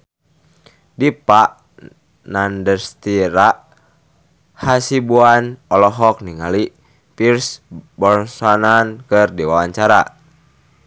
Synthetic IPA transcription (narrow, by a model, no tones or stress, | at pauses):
dipaʔ | nandərst̪iɾaʔ | hasibuanɔlɔɦɔk̚niŋali | pirsbɔrsanankɨrdiwawaɲt͡ʃaɾa̰